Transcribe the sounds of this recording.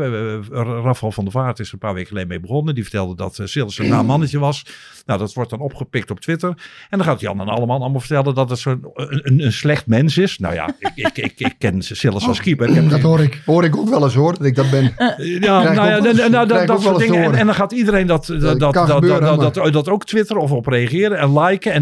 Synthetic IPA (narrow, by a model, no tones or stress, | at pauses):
rafɛlˠfɔndəfaːtɪsənpaːʋeːkəlejmeːbəxɔnədifə̥ɹtɛlˠdədɔtsɪlˠəsənaːmɑnətəʋɑs | nowdɔtʋɔrt̚dɔnɔpχəpɪk̚tɔp̚tʰʋɪtərɛndɔnxaːtjɑ̰nənɑ̰lˠəmalnɑlˠmlˠvəɹtɛlˠəndɔtətsoəənənslɛxtmɛnsɪsna̰wja̰kɪkɪkkːɛnsɪlˠəsɔlˠskipəɪkɛdhoɪkhoːɾɪkokʋɛlˠəsoːrdɔtɪɡ̚dɔt̚bɪnjanojanodɔdɔtksldɪŋəɛndɔnxaːtidəɾejndɔtkbødtdɔtoːktʋɪtəɾɔfɔprejəχɪːɾəɛnlɛjkəɛn